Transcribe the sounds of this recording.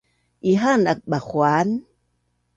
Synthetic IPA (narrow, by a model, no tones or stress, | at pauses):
ʔiɦanak̚ɓaxwan